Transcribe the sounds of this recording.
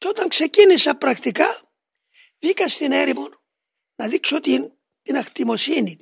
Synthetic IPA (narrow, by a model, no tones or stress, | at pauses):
cot̪ɐŋkse̞cinisɐpɾɐkt̪ikɐ | ðikɐst̪ineɾimon | nɐðiksot̪in | t̪inɐxt̪imo̞sini